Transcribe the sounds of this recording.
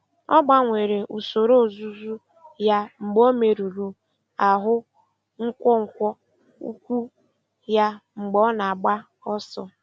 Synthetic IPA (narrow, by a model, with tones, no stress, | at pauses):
ɔ˦ɡ͡ba˦ŋʷe˨ɾe˨ʔu˨so˨ɾo˦˨zu˦zu˦ | ja˦ŋ͡m̩˨ɡ͡bo˦me˨ɾu˨ɾu˨ | a˨ɦʊ˦ | ŋ̩˦kʷɔ˦ŋ̩˨kʷɔ˦ | ṵ˦kʷu˦ | ja˦ŋ͡m̩˨ɡ͡bɔ˦na˨a˨ɡ͡ba˦ | ɔ˦sɔ˦